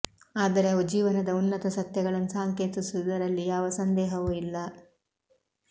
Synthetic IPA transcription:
aːd̪ɐɾeɐod͡ʒiːʋɐnɐd̪ɐunːɐt̪ɐsɐt̪jɐɡɐɭɐnːusaːŋke̞ːt̪isud̪ɐɾɐlːijaːʋɐsɐnd̪ɛːɦɐʋuilːɐ

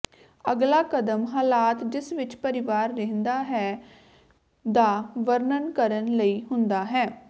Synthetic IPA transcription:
əɡlaːkəd̪əmɦaːlaːt̪d͡ʒɪsʋɪt͡ʃpəɾɪʋaːɾːɛɦənd̪aːɦɛː | d̪aːʋəɾnənkəɾənləiːɦʊnd̪aːɦɛː

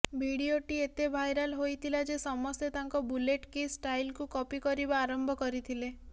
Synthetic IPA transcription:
bʱiɽioʈiet̪ebʱajɾalɦojt̪ʰilad͡ʒesɔmɔst̪et̪aŋkɔbuleʈkisʈajlkukɔpikɔɾibaːɾɔmbʱɔkɔɾit̪ʰile

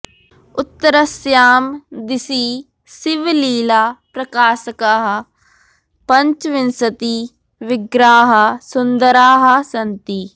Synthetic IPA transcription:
ʊt̪ːəɾɐsjaːmd̪ɪsiː | sɪʋliːlaːpɾɐkaːsɐkaːɦɐ | pɐɲt͡ʃʋɪnsɐt̪i | ʋɪɡɾaːɦɐsʊnd̪əɾaːɦɐsɐnt̪iː

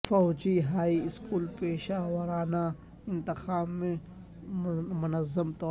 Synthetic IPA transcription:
fɔːd͡ʒiɦaːiskuːlpeːʃaːwɐɾaːna | ɪ̃nt̪ɪxaːmːẽ | mʊnɐzɐmt̪ɔː

